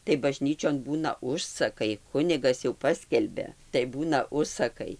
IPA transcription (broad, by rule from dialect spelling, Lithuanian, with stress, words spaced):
tɐɪ bɐˈʒʲnʲiːt͡ʃʲoːn ˈbuːnɐ ˈʊʃsɐkɐɪ ˈkʊnʲɪɡɐs jɛʊ ˈpɑːsʲkʲɛlʲbʲɛ tɐɪ ˈbuːnɐ ˈʊʃsɐkɐɪ